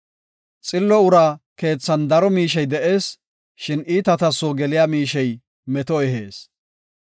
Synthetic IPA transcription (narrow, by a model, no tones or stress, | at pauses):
t͡sʼɪlːɔʊɾaːke̞ːt͡sːɐnd̪ɐɾɔmiːʃ̬ɛjd̪ɛʔe̞ːs | ʃɪniːt̪ɐt̪ɐsːoːɡɛlɪjaːmiːʃɛj | mɛt̪ɔɛɦe̞̰ːs